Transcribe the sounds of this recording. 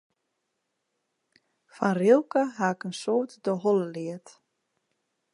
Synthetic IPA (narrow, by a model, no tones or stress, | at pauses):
fanrilˠkəɦaɪkənsoːtdɔɦɔləliət